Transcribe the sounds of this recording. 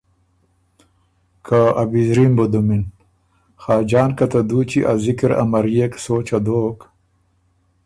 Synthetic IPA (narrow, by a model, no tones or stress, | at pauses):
kʰaabizɾimbod̪umin | xaːd͡ʑaːnkɐt̪ad̪ut͡ɕiʔazikiɾa̰mɐɾijeksoːt͡ɕad̪oːk